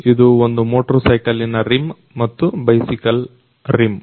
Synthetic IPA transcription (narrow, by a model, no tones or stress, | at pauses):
id̪uond̪umoːʈɾosɐjkɐlːinːɐɾim | mɐt̪ːubɐjsikɐl | ɾim